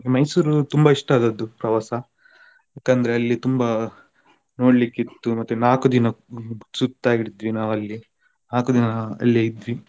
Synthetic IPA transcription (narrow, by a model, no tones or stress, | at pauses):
imɐjsuːɾut̪umbɐiʂʈaːd̪ɐd̪ːupɾɐʋasɐ | jaːkɐnd̪ɐɾeɐlːit̪umbɐ | no̞ːɽlikːit̪ːumɐt̪ːunaːkud̪inɐsut̪t̪ːaːɡiɽid̪ʋinaːʋɐlːi | naːkud̪inɐɐ̰lːiɐjid̪ʋi